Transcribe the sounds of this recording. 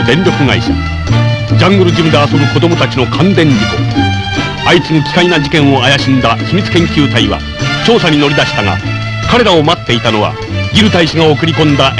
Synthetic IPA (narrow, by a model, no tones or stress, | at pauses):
d̪ẽ̞ɲɾʲo̞kɯ̟ŋa̰iɕa̰ | d͡ʑãŋɡɯɾɯ̟d͡ʑimɯ̟d̪e̞aso̞bɯ̟ko̞d̪o̞mo̞t̪at͡ɕino̞kʰãnd̪ẽ̞ɲɾʲiko̰ | ait͡sɨnokʲi̥kainad͡ʑikẽ̞ɰ̃o̞ajaɕĩnd̪açimʲit͡sɨ̥kẽ̞ŋkʲɨːt̪aiβa̰ | t͡ɕo̞ːsaɲ̟ino̞ɾʲid̪aɕi̥t̪aŋa̰ | kaɾe̞ɾao̞mat̪ːe̞it̪ano̞βa̰ | ɡʲiɾɯ̟t̪aiɕaŋao̞kɯ̟ɾʲikõ̞nd̪a